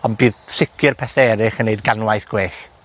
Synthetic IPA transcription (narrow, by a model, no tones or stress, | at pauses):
ɔnbiːðsɪkʰjɨrpʰɛθɛɾɪχəneɨdɡanwajθɡ̥weːx